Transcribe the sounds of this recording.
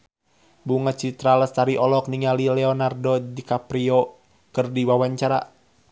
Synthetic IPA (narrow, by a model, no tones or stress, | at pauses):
buŋat͡ʃit̪ɾaləst̪aɾiʔɔlɔk̚niŋalilɛɔnardɔdikapɾiɔ | kɨrdiwawaɲt͡ʃaɾa̰